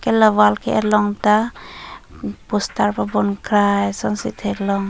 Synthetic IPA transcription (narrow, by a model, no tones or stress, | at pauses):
kelɔwalkḛʔɛɾlɔŋta | pustaɾpabɔnkʰɾajsɔnsit̪ʰɛɾlɔŋ